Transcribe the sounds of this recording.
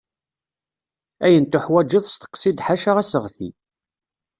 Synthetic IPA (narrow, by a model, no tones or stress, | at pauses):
æjənt̪ʊħwæd͡ʒːiðˤst̪ə̥qːsid̪ħaʃaʁæsəʁθḭ